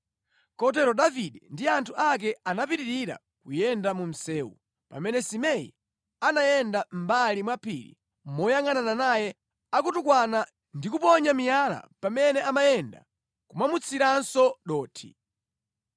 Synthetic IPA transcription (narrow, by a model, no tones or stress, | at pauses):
kɔt̬ɛɾɔɗaviɗɛndiantʰuʔak̬ɛanapiɾiɾiɾa̰ | kujɛndamum̩sɛːwṵ | pa̰mɛnɛsimɛḭ | anajɛndam̩balimwapʰḭɾḭ | mɔjaŋanananajɛ | akutukwana | ndikupɔɲamijala̰pamɛnɛamajɛnda̰ | kumamut͡sʰiɾansɔɗɔːtʰḭ